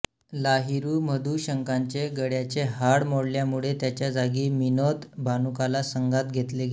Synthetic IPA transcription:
laɦiɾuːməd̪uːɕəŋkaɲt͡ɕeɡəɽjat͡ɕeɦaɽmoɽljamuɭet̪jat͡ɕjad͡zaɡiːminot̪bʱanukalasəŋɡʱat̪ɡʱet̪leɡe

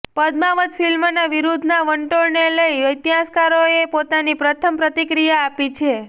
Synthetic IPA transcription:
pəd̪maʋəd̪fʰilmnaʋiɾud̪ʱnaʋəɳʈoɽneləiʋəjt̪jɦaskaɾoepot̪anipɾət̪ʰəmpɾət̪ikɾijaːpit͡ʃʰe

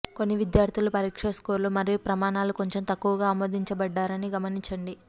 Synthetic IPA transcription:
ko̞nːiʋid̪jaːɾt̪ʰilupɐɾiːkʂɐskoːɾlumɐɾijupɾɐmaːnaːluko̞ɲt͡ʃe̞mt̪ɐkːuʋɐɡaːmoːd̪iɲt͡ʃɐbɐɖːaːɾɐniɡɐmɐniɲt͡ʃɐɳɖi

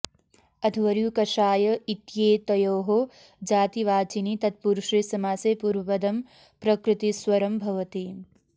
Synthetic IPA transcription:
ɐd̪ʱʋɐɾjukɐʃaːjɐit̪jeːt̪ɐjoːɦo | d͡ʒaːt̪iʋaːt͡ʃinit̪ɐt̪̚puɾʃɾisɐmaːsepuɾʋɐpɐd̪ɐm | pɾɐkɾɨt̪iswɐɾɐmbʱɐʋɐt̪i

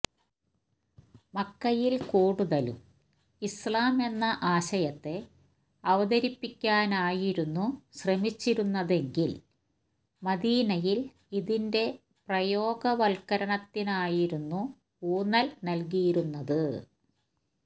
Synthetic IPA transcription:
mɐkːɐjilkuːɽuðɐlṵm | islaːme̞nːɐʔaːɕɐjɐt̪ːe̞ | ɐʋɐðɐɾipːikʲːaːnaːjiɾunːuɕrɐmit͡ɕːiɾunːɐðe̞ŋɡil | mɐðiːnɐjil | iðinde̞ | prɐjo̞ːɡɐʋɐlkɐɾɐɳɐt̪ːinaːjiɾunːu | uːnɐlnɐlk̬ijiɾunːɐðɨ

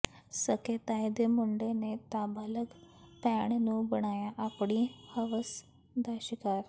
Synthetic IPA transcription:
səket̪ajd̪emuɳɖenet̪aːbaːləɡpɛɳnũːbəɽ̃aːjaʔapɽ̃ihəʋəs | d̪aːɕikaːɾ

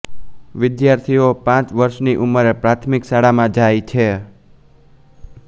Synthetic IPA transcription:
ʋɪd̪jaɾt̪ʰiopãt͡ʃʋəɾʃniʔuməɾepɾat̪ʰmɪksaɽamãd͡ʒajt͡ʃʰe

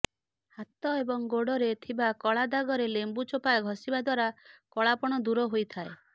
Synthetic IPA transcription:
hat̪ɔebɔŋɡoɽɔɾet̪ʰibakɔɭad̪aɡɔɾelembut͡ʃopaɡʱɔsibad̪waɾakɔɭapɔɽ̃ɔd̪uɾɔɦojt̪ʰae

